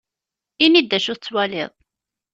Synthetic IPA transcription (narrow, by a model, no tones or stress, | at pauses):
inid̪ːæʃʊt͡sːwælɪ̰ðˤ